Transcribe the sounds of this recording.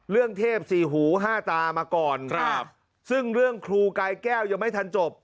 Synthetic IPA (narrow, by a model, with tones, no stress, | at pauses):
ɾɯ˥˩əŋt̪ʰeː˥˩p̚siː˨˩ɦuː˩˦ɦaː˥˩t̪aː˧maː˧kɔː˨˩n̚ | sɯ˥˩ŋɾɯ˥˩əŋkʰɾuː˧kaː˧jkɛː˥˩wja˨˩ma˥˩jt̪ʰa˧nt͡ɕo˨˩p̚